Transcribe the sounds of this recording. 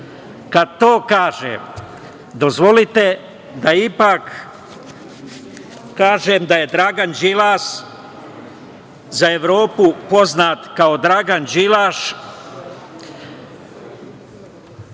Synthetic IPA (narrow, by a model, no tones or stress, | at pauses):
kad̪̚t̪oːkaːʒḛm | d̪ozʋo̞lit̪e̞ | d̪aipak | aːʒeːmd̪aje̞d̪ɾaːɡand͡ʒilaːʃ | zaeʋɾo̞ːpupo̞znaːt̪kaod̪ɾaːɡand͡ʒilaːʃ